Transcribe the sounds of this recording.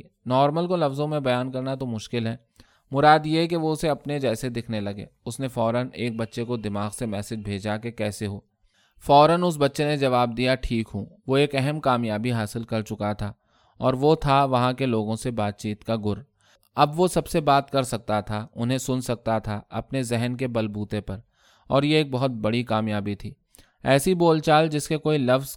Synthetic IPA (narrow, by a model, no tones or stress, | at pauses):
nɔːɾməlkolɐfzõmẽbɐjaːnkɐɾnat̪̬omʊʃkɪlɦɛː | mʊɾaːd̪jek̬eʋoʊseɐpned͡ʒɛːsed̪ɪkʰnelɐɡḛːʊsnefɔːɾəneːk̚bɐtːʃekod̪ɪmaːɣsemɛːsɪd͡ʒbʱeːd͡ʒakekɛːseɦoː | fɔːɾənʊs̬bɐtːʃened͡ʒɐʋaːb̚d̪ijaʈʰiːkɦũːʋoeːkɛɦɛmkaːmjaːbiɦaːsɪlkɐɾt͡ʃʊkat̪ʰaː | ɔːɾʋot̪ʰaʋɐɦãkeloːɡõsebaːt̪̚t͡ʃiːt̪kaɡʊɾ | ɐbʋosɐbsebaːt̪kɐɾsɐk̚t̪at̪ʰaʊnɦẽsʊnsɐk̚t̪at̪ʰaɐ̰pnezɛɦnkebɐlbuːt̪epɐɾ | ɔːɾjeeːk̚bɐɦʊt̪̚bɐɽikaːmjaːbit̪ʰiː | ɛːsiboːlt͡ʃaːld͡ʒɪskekoːilɐfz̥